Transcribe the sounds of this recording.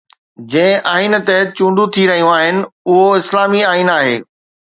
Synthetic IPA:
d͡ʑɐ̃ɪ̃ʔaːint̪ɛɦ̚t͡ɕũːɳɖʱũt̪ʰiɾɐɦijũaːɦɪnɪ̆ʊɦoɪslaːmiaːinaːɦḛː

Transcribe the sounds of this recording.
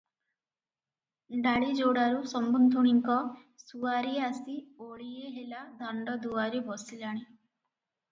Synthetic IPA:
ɖaɭid͡ʒoɽaɾusɔmbɔnd̪ʱuɽ̃iŋkɔ | suaɾiasioɭieɦelad̪ʱaɳɖɔd̪uaɾibʱɔsilaɽ̃i

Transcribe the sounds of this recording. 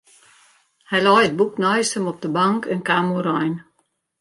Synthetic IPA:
hɛjlɔjəd̚buknɔjsəmɔp̚dəbaŋkɛnkaːmuɾɔjn

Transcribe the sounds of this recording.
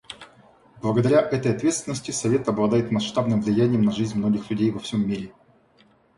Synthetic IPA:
blˠəɡəd̪ɐɾʲaʔɛt̪əjɐt̪vʲe̞t̪st̪vʲɪnːəsʲtʲɪsɐvʲe̞t̪ɐblˠɐd̪ajɪt̪mɐsʂt̪abnɨmvlʲɪjænʲɪjəmnɐʐɨzʲnʲmno̞ɡʲɪxlʲʉdʲejvɐfsʲomʲːiɾʲɪ

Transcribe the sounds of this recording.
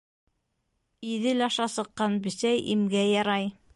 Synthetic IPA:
iðɘlɑʃɑsɤ̆qːɑnbɵ̆sæjimɡæjɑɾɑj

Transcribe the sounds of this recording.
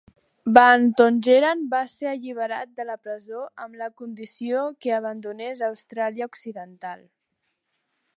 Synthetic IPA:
bant̪onʲʒeɾambaseɾəʎiβ̞əɾat̪̚d̪ələpɾəzoəmləkund̪isiokeəβənd̪unezəwst̪ɾaliəuksiðənt̪alˠ

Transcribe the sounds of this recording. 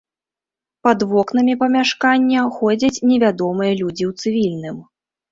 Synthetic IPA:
pɐd̪vɔknɐmʲipɐmʲaʂkanʲːɐxɔd͡zʲɐt͡sʲnʲɛvʲad̪ɔmɨjɐlʲud͡zʲiwt̪sɨvʲilʲnɨm

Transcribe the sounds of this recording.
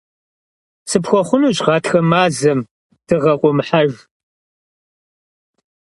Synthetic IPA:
sɨpxʷɔχʷʊnuːɕʼʁɑːtxɐmaːzɐm | d̥ɨʁɐqʷʼɔmħaʒ

